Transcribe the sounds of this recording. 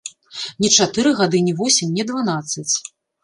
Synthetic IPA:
nʲɛt͡ʂat̪ɨɾɨɣad̪ɨnʲivɔsʲimʲnʲɛd̪vanat̪sːɐt͡sʲ

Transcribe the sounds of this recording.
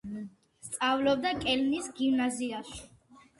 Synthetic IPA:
st̪sʼavlɔb̚d̪akʼɛlnisɡimnaziaʃ

